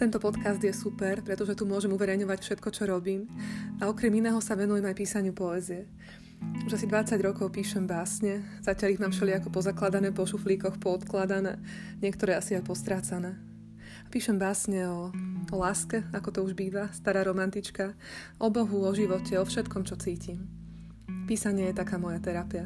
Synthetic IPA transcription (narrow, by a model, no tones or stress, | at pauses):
t̪ɛnt̪ɔpɔt̪kazd̪jɛsupɛɾpɾɛt̪ɔʒɛt̪umʊɔʒɛmuʋɛɾɛjɲɔʋacfʃɛt̪kɔt͡ʃɔɾɔbiːmaɔkɾɛminɛːɦɔsaʋɛnujɛmajpiːsaɲɪupɔɛziɛ | uʒasid̪ʋat͡saɟɾɔkɔʊpiːʃɛmbaːsɲɛz̥acɪaliɣmaːmʃɛliakɔpɔzaklad̪anɛːpɔʃufliːkɔxpɔɔt̪klad̪anɛ̰ːɲɪɛkt̪ɔɾɛːasiajpɔst̪ɾaːt͡sanɛː | apiːʃɛmbaːsɲɛɔɔlaːskɛakɔt̪ɔuʒbiːʋast̪aɾaːɾɔmant̪it͡ʃka | ʔɔbɔɦuɔʒiʋɔcʰɛɔfʃɛt̪kɔmt͡ʃɔt͡siːcim | piːsaɲɪɛjɛt̪akaːmɔjat̪ɛɾapia